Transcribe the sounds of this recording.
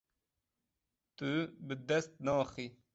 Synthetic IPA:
t̪ubəd̪ɐst̪̚nɑ̃ːxi

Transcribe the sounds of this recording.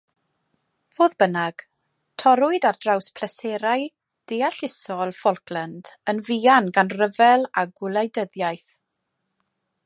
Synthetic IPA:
v̥oːðbənaɡ̥ | tʰɔɾʊɨdard̥rawspʰlɛsɛɾaj | d̥eaɬɪsɔlˠfɔlˠkʰlənd̥ənvianɡanrəvɛlˠaɡwɪlˠajdəðjajθ

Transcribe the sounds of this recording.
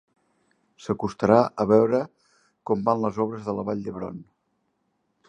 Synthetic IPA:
səkust̪əɾaʔəβɛwɾə | kɔmbanləzɔβɾəzðələβaʎd̪əβɾo̰n

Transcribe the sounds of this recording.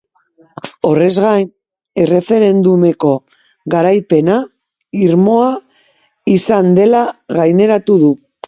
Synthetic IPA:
o̞re̞zɣajn | e̞re̞fe̞ɾe̞nd̪ume̞ko̞ | ɣaɾajpe̞na | iɾmo̞a | isand̪e̞laɣajne̞ɾat̪uðu

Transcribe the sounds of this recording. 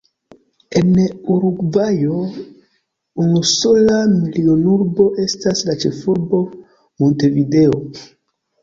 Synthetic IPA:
enuɾuɡvajo | unusolamilionuɾbo̞ʔe̞staslat͡ʃefuɾbo̞ | monte̞video

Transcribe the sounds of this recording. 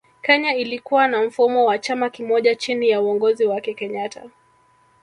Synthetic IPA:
kɛɲailikuwanam̩fumɔwat͡ʃamakimɔʄat͡ʃinijauɔŋɡɔziwakɛkɛɲatʰa̰

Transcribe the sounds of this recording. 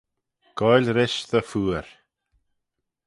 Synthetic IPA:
ɡ̥ɔjlʲɾɪʃðəfuːəɾ

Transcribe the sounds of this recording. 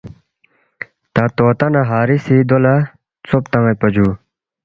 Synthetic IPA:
t̪at̪ot̪anaɦaɾisid̪ola | t͡sʰop̚t̪aŋapad͡ʑu

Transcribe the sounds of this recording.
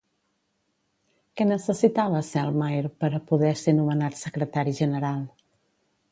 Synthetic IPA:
kɛnəsəsit̪aβəsɛlˠmajɾpəɾəpuðɛsenumənat̪səkɾət̪aɾiʒənəɾalˠ

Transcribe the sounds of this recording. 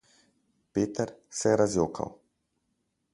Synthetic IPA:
peːt̪əɾsɛɛɾazjoːkʰa̰w

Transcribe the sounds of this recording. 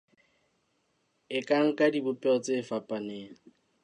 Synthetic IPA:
ɪkʼaŋ̩kʼadibʊpʼɛɔt͡sʼefapʼaneːŋ̩

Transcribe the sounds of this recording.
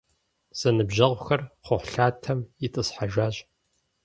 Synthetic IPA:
z̥ɐnɨbʑɐʁʷʊxɐrχʷʊħʷɬaːtʰɐmɪtʼɨsħaʒaːɕʼ

